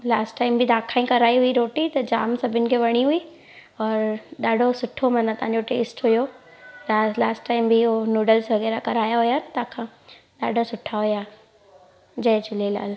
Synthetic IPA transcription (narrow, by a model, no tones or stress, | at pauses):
laːsʈːaːɪmbʱɪd̪aːkʰaːĩkɐɾaːiɦʊiɾoːʈit̪ɐd͡ʑa̰ːmsɐbʱɪʊnɪ̆kʰeʋɐɽ̃iɦʊi | ɔːɾɗaːɖʱosʊʈʰːomɐ̃nɐt̪ɐ̃ɦãɲd͡ʑoʈeːsʈɦʊjo | t̪aːlaːsʈːaːɪmbʱiɦonuːɖəlsʋɐɣɛːɾakɐɾaːjaɦʊjant̪ãːkʰãː | ɗa̰ːɖʱosʊʈʰaɦʊja | d͡ʑɐːt͡ɕʊlela̰ːl